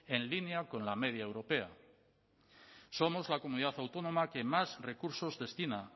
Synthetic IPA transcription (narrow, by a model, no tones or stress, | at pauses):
e̞nlineako̞nlame̞ðjaewɾo̞pe̞a | so̞mo̞zlako̞muniðaθawt̪o̞no̞make̞mazre̞kuɾso̞zðe̞st̪ina